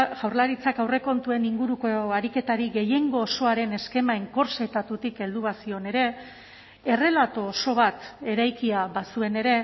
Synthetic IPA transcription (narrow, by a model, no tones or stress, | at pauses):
ʝ̥awɾlaɾit͡sakawre̞ko̞nt̪ue̞niŋɡuɾukoaɾike̞t̪aɾiɣe̞je̞ŋɡo̞ːso̞aɾe̞ne̞ske̞maeŋko̞ɾsejt̪at̪ut̪ike̞ld̪uβasio̞ne̞ɾe̞ | e̞re̞lat̪oːso̞β̞at̪e̞ɾajkiaβasue̞ne̞ɾe̞